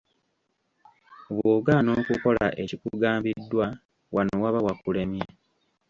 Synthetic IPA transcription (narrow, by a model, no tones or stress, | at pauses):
βuːɡano̞ːkuko̞laʔecikuɡaːmbidːwa | wano̞waβawakule̞mje